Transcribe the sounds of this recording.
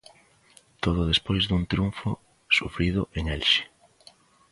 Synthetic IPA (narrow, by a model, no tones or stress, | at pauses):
t̪oð̞ʊðespojzðuŋt̪ɾjuɱfʊ | sufɾiðʊʔeŋɛlʃɪ̥